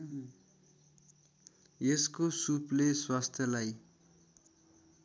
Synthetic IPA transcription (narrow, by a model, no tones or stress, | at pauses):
eskosupleswast̪ʰjʌlaj